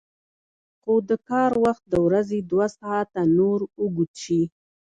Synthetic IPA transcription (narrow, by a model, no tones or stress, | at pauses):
xod̪əkɑɾwaxt̪̚d̪əwɾazed̪wasahat̪anoɾuɡut̪ʃi